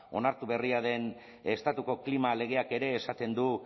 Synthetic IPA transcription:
o̞̰naɾt̪uβe̞riaðe̞n | e̞st̪at̪uko̞klimale̞ɣ̞e̞ake̞ɾe̞ːsat̪e̞nd̪u

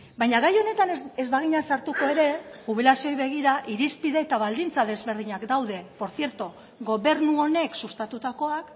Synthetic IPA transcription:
bajɲaɣajo̞ne̞t̪ane̞zβaɣ̞iɲasaɾt̪uko̞e̞ɾe̞uβ̞ilasio̞jβe̞ɣ̞iɾaʔiɾispiðeet̪aβald̪int͡saðe̞zβe̞ɾð̞iɲakd̪awðe̞po̞ɾθje̞ɾt̪o | ɣo̞βe̞ɾnuo̞ne̞ksust̪at̪ut̪ako̞ak

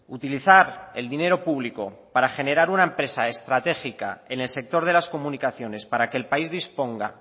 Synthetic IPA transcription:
ut̪iliθaɾeld̪ine̞ɾo̞puβ̞liko̞̰paɾaxe̞ne̞ɾaɾunaempɾe̞sae̞st̪ɾat̪e̞xika̰e̞ne̞lse̞k̚t̪o̞ɾð̞e̞lasko̞mũnikaθjo̞ne̞spaɾake̞ːlpaizðispo̞ŋɡa̰

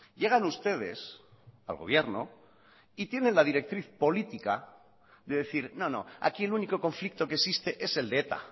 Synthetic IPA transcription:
je̞ɣanust̪e̞ð̞e̞̰s | a̰lɣo̞β̞je̞ɾno̰ | it̪je̞nẽ̞nlaðiɾe̞k̚t̪ɾiθpo̞lit̪ika | ðe̞ðe̞θiɾno̞no̞̰a̰kie̞luniko̞ko̞ɱflik̚t̪o̞kesist̪e̞ʔe̞se̞ld̪eet̪a̰

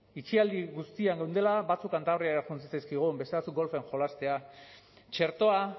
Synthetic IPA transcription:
it͡ʃiald̪iɣust̪iaŋɡewnd̪e̞labat͡sukant̪aβɾiaɾaxunt͡sit͡sajskiɣ̞umbe̞st̪e̞βat͡suk̚ɡo̞lfeŋxo̞last̪e̞a | t͡ʃe̞ɾt̪o̞a

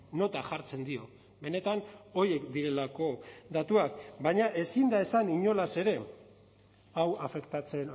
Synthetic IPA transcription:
no̞t̪aʝaɾt͡se̞nd̪io̞ | βe̞ne̞t̪ano̞ɾje̞kd̪iɾe̞lako̞d̪at̪uakbajɲaʔe̞sind̪ae̞saniɲo̞lase̞ɾe̞ | awafe̞kt̪at͡se̞n

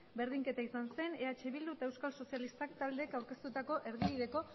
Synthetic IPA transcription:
be̞ɾðiŋke̞t̪aisanse̞ne̞at͡ʃe̞βild̪uet̪aewskalso̞sijalist̪akt̪ald̪e̞ːkawɾke̞st̪ut̪ako̞ʔe̞ɾðiβiðe̞ko̞

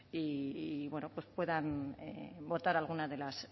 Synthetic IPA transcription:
iβwe̞nope̞spwe̞ðanebo̞ɾt̪aɾalɣ̞unaðe̞las

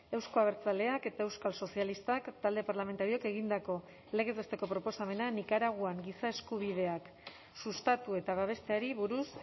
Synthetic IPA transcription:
e̞wsko̞aβ̞e̞ɾt͡sale̞ake̞t̪ae̞wskalso̞sialist̪akt̪ald̪e̞paɾlame̞nt̪aɾio̞ake̞ɣ̞ind̪ako̞ | le̞ɣ̞et̪est̪e̞ko̞pɾo̞po̞same̞nanikaɾaɣ̞uaŋɡisae̞skuβ̞iðe̞ak | sust̪at̪ue̞t̪aβaβ̞e̞st̪e̞aɾiβuɾus

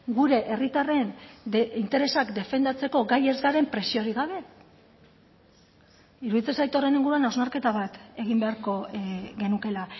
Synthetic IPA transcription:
ɡuɾe̞ʔerit̪are̞nd̪int̪e̞ɾe̞sakd̪e̞fe̞nd̪at͡se̞ko̞ɡaje̞zɣaɾe̞mpɾe̞sioɾiɣaβ̞e̞ | iɾuðit͡se̞sajt̪o̞re̞niŋɡuɾuanawznaɾke̞t̪aβat̪e̞ɣimbe̞aɾko̞ɣe̞nuke̞la

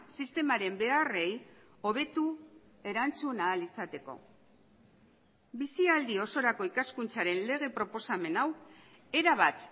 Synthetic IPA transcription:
sist̪e̞maɾe̞mbe̞are̞j | o̞β̞e̞t̪u | e̞ɾant͡sunaːlisat̪e̞ko̞̰ | bisiald̪io̞so̞ɾako̞ikaskunt͡saɾe̞nle̞ɣ̞e̞pɾo̞po̞same̞naw | e̞ɾaβ̞at̪

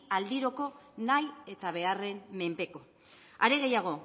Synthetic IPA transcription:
ald̪iɾo̞ko̞naje̞t̪aβ̞e̞are̞mme̞mpe̞ko̞ | aɾeɣe̞jaɣ̞o̞

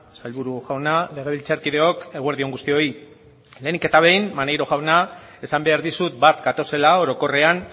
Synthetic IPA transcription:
salβuɾuʝawnale̞ɣ̞e̞βilt͡saɾkiðe̞o̞ke̞ɣwe̞ɾðio̞ŋɡust̪io̞i | le̞nike̞t̪aβe̞jmmanejɾo̞ʝawnae̞sambe̞aɾðisut̪bat̪ɡat̪o̞se̞lao̞ɾo̞ko̞re̞an

